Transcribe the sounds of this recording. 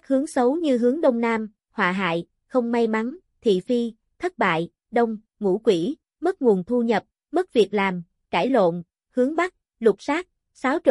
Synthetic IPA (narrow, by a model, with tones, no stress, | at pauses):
k̚hɨ˨˦əŋsə˨˦wɲɨ˧ɦɨ˨˦əŋɗə˧wŋ͡mnaː˧m | hwa̰ː˨˩ɦa̰ː˧˨j | xə˧wŋ͡mma˧jma˨˦n | t̪ʰḭ˧˨fi˧ | t̪ʰə˦˥t̚ɓa̰ː˧˨j | ɗə˧wŋ͡m | ŋṵ˧˥kwi˧˩ | mə˦˥t̚ŋu˨˩ənt̪ʰu˧ɲə˨˩p̚ | mə˦˥t̚vi˨˩ək̚laː˨˩m | kaː˧˩jlo̰˧˨n | hɨ˨˦əŋɓa˦˥k̚ | lʊ˨˩t̚saː˦˥k̚ | saː˨˦wt͡ɕ